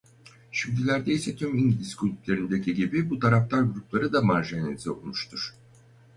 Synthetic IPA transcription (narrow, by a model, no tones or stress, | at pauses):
ʃimd̪ilʲæɾd̪ejisɛt̪ʰymiŋɟilʲiskʰylʲyplʲe̞ɾind̪ecʰiɟibibut̪ʰaɾaft̪ʰaɾɡuɾuplˠaɾɯd̪amaɾʒaenezio̰kʰumu̥ʃt̪ʰuɾ̥